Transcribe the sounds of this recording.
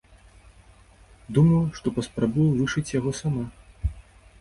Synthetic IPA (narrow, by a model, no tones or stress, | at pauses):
d̪umɐwʂt̪ɔpɐspɾabujɐvɨʂɨt͡sʲjaɣɔsama